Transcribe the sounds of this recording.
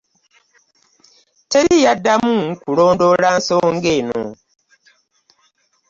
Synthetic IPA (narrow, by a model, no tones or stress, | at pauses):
teɾijadːamukulo̞ːndo̞laːnso̞ːŋɡeːno̰